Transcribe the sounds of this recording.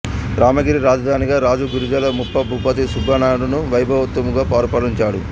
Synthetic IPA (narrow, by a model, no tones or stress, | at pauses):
ɾaːmɐɡiɾiɾaːd͡ʒɐd̪ʱaːniɡaːɾaːd͡ʒuɡuɾud͡ʒɐlɐmupːɐbʱuːpɐt̪isubʱɐnaːɽunuʋɐjbʱɐʋɐt̪ːumuɡaːpaːɾɐpaːliɲt͡ʃaːɽṵ